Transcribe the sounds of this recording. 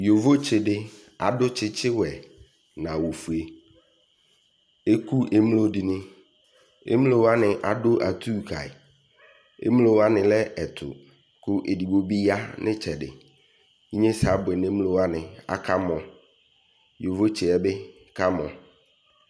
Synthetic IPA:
jo˨vo˦t͡ʃɪ˨ɖɪ˦ | a˨dʊ˦t͡ʃʰɪ˦t͡ʃɪ˦wɛ˨ | nã˨wo˨fu˨e˨ | e˦ku˦ʔe˦mlo˦di˨nɪ̃˦ | ḛ˦mlo˦wa˦nɪ˨ʔa˨dʊ˦ʔa˨t̪ʰuː˦˨kʰa˨ɪ˨ | ḛ˦mlo˨wa˦nɪ̃˨lɛ˦ɛ˨t̪ʰʊ̰˨ | kʊ˦ʔe˨di˨bo˨bi˦ja˦nʔɪ̃˦t͡ʃʰɛ˨ɖɪ̰˨ | i˦ɲẽ˦sa˨˦bʊ˨ɛ˨nẽ˦m˦lo˦wa˦nɪ̃˨a̰˨kʰa˦mɔ̃˨ | jo˨vo˦t͡ɕɪ˨ɛ˨bɪ˦ | ka˦mɔ̃˨

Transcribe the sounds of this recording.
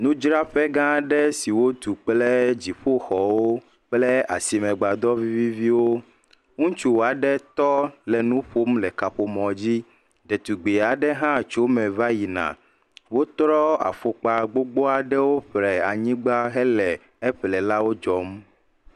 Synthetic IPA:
nũ˦d͡ʒɾa˦ɸɛ˦ɡã˦ɖɛ˦si˨wo˦t̪u˨k͡plɛ˦d͡ʑi˨ɸo˦xɔ˨wo˦ | k͡plɛ˦a̰˨si˨mɛ̃˨ɡ͡ba˨d̪ɔ˦vi˦vi˦vi˦wo˦ | ŋũ˦t͡ʃu˦wo˨a˨ɖɛ˦t̪ɔ˦lɛ˨nũ˦ɸo˦mlɛ˨ka˨ɸo˨mɔ̃˨d͡ʑi˦ | ɖɛ˨t̪u˨ɡ͡be˨a˨ɖɛ˦ɦã˦t͡ʃo˦mɛ̃˨va˦ji˨nã̰˨ | wo˦t̪ɾɔ˦a̰˨fo˨k͡pa˨ɡ͡bo˦ɡ͡bo˦a˨ɖɛ˦wo˦ɸɾɛ˨a˨ɲĩ˦ɡ͡ba˦ɦɛ˦lɛ˨ | e˦ɸlɛ˨la˦wo˦d͡ʒɔ˨m

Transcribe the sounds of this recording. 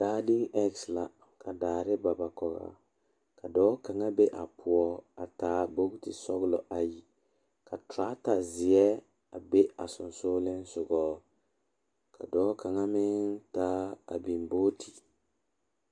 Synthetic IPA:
d̥aː˦dɪ˦ŋɛ˦ksla˨ | kʰa˨daː˨ɾɪ˦ba˨ba˨kɔ˨ɣa̰˨ | ka˨dɔː˦ka˨ŋa˦be˦ʔa˨pʰʊ˨ɔ˦a˨taː˦bo˦ɡtɪ˨sɔ˦ɣlɔ˨ʔa˨ji˨ | ka˨tɾa˦ta˨zɪ˨ɛ˦ | a˨be˦a˨sʊ˨nsoː˦lɪ˦n˦sʊ˨ɡɔː˦ | kʰa̰˨dɔː˦ka˨ŋa˦mɪ˦ŋtaː˦a̰˨bi˨mboː˦ti˨

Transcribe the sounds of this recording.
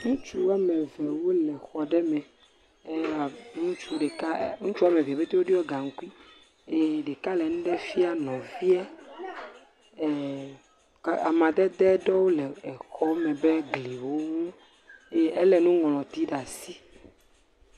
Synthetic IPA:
ŋũ˦t͡ʃu˦a˨mɛ̃˨vɛ˨wo˦lɛ˨xɔ˨ɖɛ˦mɛ̃˨˦˨ | nũ˦t͡ʃu˦ɖɛ˨ka˦ŋũ˦t͡ʃu˦a˨mɛ˨vi˨a˨be˦t̪e˦wo˦ɖi˦ɔ˦ɡa˨ŋ̩˦ku˦i˦ | e˨ɖɛ˨ka˦lɛ˨nũ˦ɖɛ˦fi˦a˨nɔ̃˨vi˦a˦˨ | ka˨mã˨d̪ɛ˦d̪ɛ˦ɖɔ˦wo˦lɛ˨ɛ˨xɔ˦mɛ̃˨bɛ˦ɡli˨wo˦ŋũ˦ | e˦ɛ˦lɛ˨nũ˦ŋɔ̃˨lɔ̃˨t̪i˦ɖa˨si˦

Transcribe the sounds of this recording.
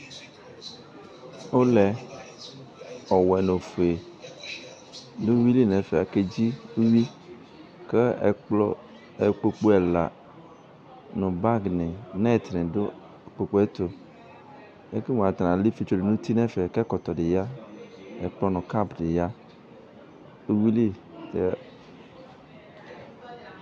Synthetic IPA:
o˦lɛ˨ | ɔ˨wɛ˨no˨fu˨e˨ | do˦wi˦li˦nɛ̃˨fe˨a˨ke˦d͡ʑi˦u˦wi˦ | ke˦˨lɔ˦ | e˨k͡po˨k͡po˦ɛ˨la̰˨ | nɔ̃˨ba˦ɡnẽ˨na˦˨t̪nẽ˨do˦˨ | k͡po˨k͡po˦e˦t̪o˨ | e˦ke˦mõ˨a˨t̪ã˨li˦fe˨t͡ʃo˦de˨nũ˦t̪i˦nɛ̃˦fe˨kɛ˦kɔ˨t̪ɔ˨ɖe˨ja˦ | e˨k͡plɔ˦nɔ̃˨ka˦˨bde˨ja˦ | u˦wi˦li˦ | t̪e˨a˨

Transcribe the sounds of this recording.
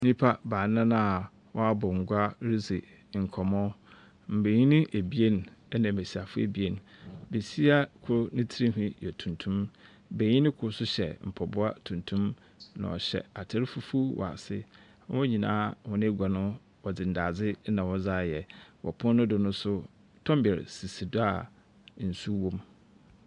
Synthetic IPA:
nĩ˦pʰa˦baː˨˦nã˦nã˦˨ | wɔ˦a˦bɔ˨ŋ̩˨ɡʷa˦ɾi˦ze˨ | ŋ̩˨kʰɔ˨mɔ̃˦ | m̩˨be˨ɲĩ˦nɪ̃˦ʔe˨bi˦e˦nɛ˦nã˨e˨si˨a˨fʊ˦ḛ˨bi˦e˦nbe˨si˦a˦kʰʊ˦ɾʊ˦nɪ̃˦tʰi˦ɾĩ˦ɦĩ˦jɛ˨tʰũ˨ntʰũ˦m | be˨ɲĩ˦nɪ̃˦kʰʊ˦ɾsʊ˦ɕɛ̰˨m̩˨pʰɔ˨bʊ˦a˦tʰũ˨ntʰũ˦m | nã̰˨ɔ̰˨ɕɛ̰˨a˨tʰɛ˦ɾɪ˦fu˦fu˦wɔ̰˨a̰˨sɪ˦ | wɔ̃˦ɲĩ˨nã̰ː˦hɔ̃˦nɪ̃˦e˦ɡʷa˨nʊ̃˦ | wɔ˨d͡zɪ̃˨n̩˨daː˨d͡zɪ˦nã˨wɔ˦d͡zaː˦˨jɛ˨wʔɔ̰˨pʰʊ̃˦nʊ̃˦dʊ˨nʊ̃˦sʊ˦ | tʰɔ̃˦m˦bɛ˨ɾ̰si˨si˨dʊ˦a˨ | n̩˨su˦wõ˦m

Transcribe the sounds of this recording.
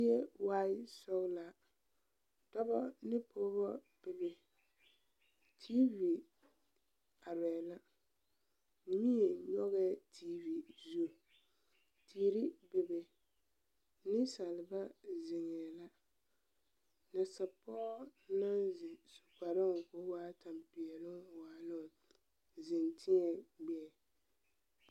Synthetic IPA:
jɛ˦wa˦ɪ˦sɔ˦la˨ | tɔ˦bɔ˦nɪ˦poː˦bɔ˦ | b̥ɪ˨bɪ˨ | tʰi˦vi˨ | a˨ɾɛ˨la˦ | mi˦e˨ɲɔ˦ɣɛ˦tʰi˦vi˨zu˦˨ | tʰiː˨ɾi˦bɪ˨bɛ˨ | nɪ˦sa˨lɪ˨ba˦zɪ˨ŋɛ˨la˦ | na˨sa˨pɔ˦na˦nzɪ˨su˨ka˨ɾɪ˦ŋ˨ko˨˦waː˦ta˨m˨pɪ˨ɛ˨lɪ˦ŋwaː˨lʊ˦ŋ˨ | zɪ˨ntʰɪ˦ɲɛ˨ɡ͡bɛ˦˨

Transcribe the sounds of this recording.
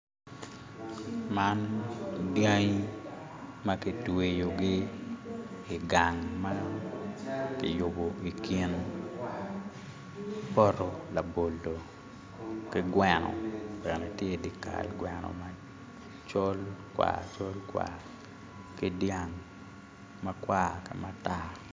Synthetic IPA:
ma˦ndja˦ɲ˦ | ma˦ki˦twe˨jo˨ɡɪ˦ | ɪ˨ɡa˨ŋma˦ | kɪ̰˨jʊ˨bo˨i˨ki˦n | pɔ˦ɾɔ˨la˨bo˨ldo˨ | kɪ˦ɡwɛ˨nɔ̰˨bɛ˨ne˨tje˦di˦ka̰˨lɡwɛnɔ̰ma˦ | t͡ʃo˦lkwa̰˨t͡ʃo˦lkwa̰ | kɪ˦dja˨ŋ | ma˦kwa˦kɪ˦ma˦ta˦

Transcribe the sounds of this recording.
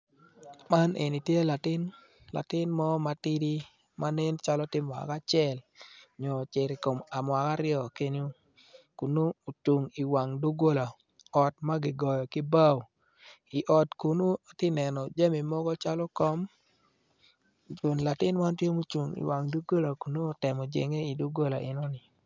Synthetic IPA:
ma˦nʔe˨ni˨tje˦la˨tɪ˦n | la̰˨tɪ˦nmɔ˦ma˨tɪ˦di˦ | ma˦ne˦nt͡ʃa˦lɔ˦tɪ˦mɔ˨a̰˨ka˦t͡ʃɪɛ˦˨lɲɔ˨t͡ʃɪ˨ɾɪ˨ko˨ma˨mwa˨ka˦ɾɪɔ˦˨ke˦ɲo˦ | ku˨nu˦o˨t͡ʃu˨ŋi˨wa˨ŋdu˦ɡo˦la˨ | ɔ˨t̚ma˦ɡɪ˨ɡɔ˨jɔ˨kɪ˦ba˦˨w | ɪ˨ʔɔ˨tku˨nu˦˨tɪ˦nɛ˨nɔ˨d͡ʒe˦mi˨mɔ˦ɡɔ˦t͡ʃa˦lɔ˦kɔ˦m | d͡ʒo˨nla˨tɪ˦nma˦ntje˦mo˦t͡ʃu˨ŋḭ˨wa˨ŋdu˦ɡo˦la˨ku˨no˦˨tɛ˨mɔ˨d͡ʒḛ˨ŋe˦i˨du˦ɡo˦la̰˨ʔɪ˨nɔ˦nɪ˨

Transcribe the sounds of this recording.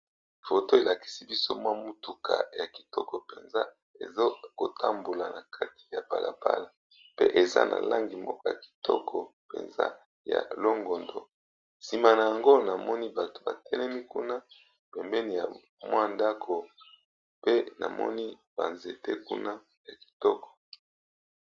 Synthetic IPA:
fo˨to˦e˨la˨ki̥˦si˦bi˦so̰˦mwa˦mu˦tu˨kʰa̰˨ja˨ki̥˨tɔ˦kɔ˨pe˨nza˦ | ḛ˨zo˦ko˨tʰa˦mbo˨la˨na˨kʰa˦ti̥˨ja˨ba˨la˨ba̰˦la˨ | pḛ˦ʔe˨za̰˦nʔa̰˨la˦ŋɡi˨mbɔ˦kɔ˦ja˨ki̥˨tɔ˦kʰɔ˨pḛ˨nza̰˦ | ja̰˨lo˦ŋɡo˨ndo˨ | si˨ma˨na˨ja˨ŋɡo˦na˨mɔ˦ni˦ba˨to̥˨ba̰˨tʰɛ˦nɛ˦mi˦ku˦na˦ | pɛ˨mbɛ˦ni˨ja˨ | mwa˦nda˦kʰo˨ | pe˦na̰˨mɔ̰˦ni˦b̥a˨nze˨tɛ˦ku˦na˦ | ja˨ki̥˨tɔ˦kɔ̥˨

